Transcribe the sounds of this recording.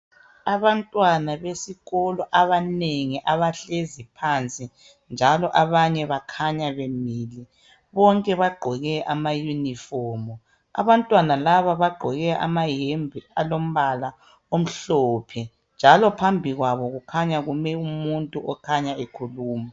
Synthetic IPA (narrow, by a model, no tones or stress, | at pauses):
aβantʼwanaβesiɣɔlɔʔaβaneŋiʔaβaɬezipʰant͡sʼi | nd͡ʒʱalɔʔaβaɲɛβakʰaɲaβemiːli | βɔŋkʼɛβaɡ͡ǃʱɔɣɛʔamajunifɔːmɔ | a̰βantʼwanalaβaβaɡ͡ǃʱɔɣɛʔa̰majembʱialom̩βala | om̩ɬɔpʰɛ | nd͡ʒʱalɔpʰambʱiɣwaβɔɣukʰaɲaɣumɛumuntʼuʔɔkʰaɲaekʰuluːma